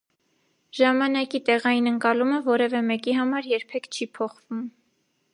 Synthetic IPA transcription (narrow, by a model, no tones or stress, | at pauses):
ʒɑmɑnɑkit̪ɛʁɑjinəŋkɑluməvɔɾɛvɛmɛkiɦɑmɑɾjɛɾpʰɛkʰt͡ʃʰipʰɔχvum